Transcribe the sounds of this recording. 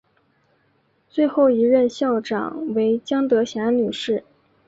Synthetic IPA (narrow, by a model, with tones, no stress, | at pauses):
t͡swe˥˧ɪxo˥˩ʊi˧˥ɻə˥˧nɕjɑ˥˩ʊʈ͡ʂɑ̰˨˩ŋwe˧˥ɪt͡ɕjɑ˥ŋt̪ɤ˧˥ɕjɑ˧˥nny˨˩ʂɻ̩˥˩